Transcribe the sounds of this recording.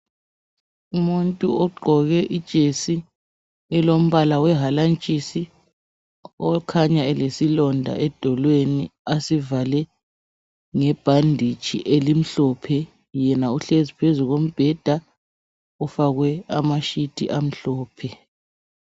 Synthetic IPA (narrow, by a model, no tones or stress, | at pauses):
umuntʼuɔɡ͡ǃʱɔɣɛʔid̥ʒ̥ʱesi | ɛlom̩βalawɛɦalant͡ʃʼisi | ɔkʰaɲaɛlesilɔndʱa̰ɛd̥ʱɔlweniasivalɛ | ŋɛb̥ʱandʱit͡ʃʼḭʔelim̩ɬɔpʰɛ | jɛnauɬezipʰezuɣom̩b̥ʱɛd̥ʱa | ɔfaɣwɛamaʃitʰʼḭʔam̩ɬɔːpʰɛ